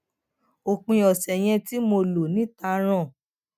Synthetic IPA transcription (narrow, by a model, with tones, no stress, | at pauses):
o˨k͡pĩ˨˧ɔ˨sɛ˨j̃ɛ̃˧ti˦mo˧lo˨nĩ˨˦ta˧ɾ̃ɔ̃˦˨